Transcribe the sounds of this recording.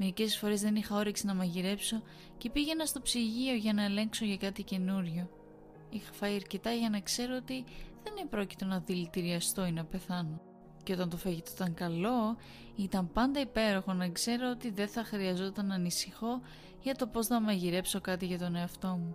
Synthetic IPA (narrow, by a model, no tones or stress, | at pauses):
me̞ɾice̞sfo̞ɾe̞zðe̞nixɐo̞ɾiksinɐmɐʝiɾe̞pso̞ | ce̞piʝe̞nɐst̪o̞psiʝio̞ʝɐnɐele̞ŋkso̞ʝɐkɐt̪ice̞nuɾʝo̞ | ixɐ̥fɐjɐɾce̞t̪ɐʝɐnɐkse̞ɾoot̪iðe̞nepɾo̞ci̥t̪o̞nɐðilit̪iɾiɐst̪o̞inɐpe̞θɐno̞ | ceo̞t̪ɐnt̪o̞fɐʝit̪oot̪ɐŋkɐlo̞ | it̪ɐmpɐnd̪ɐipe̞ɾo̞xo̞nɐkse̞ɾo̞ot̪iðe̞θɐxɾiɐzo̞t̪ɐnɐnisixo̞ | ʝɐt̪o̞po̞znɐmɐʝiɾe̞pso̞kɐt̪iʝɐt̪o̞neɐft̪o̞mu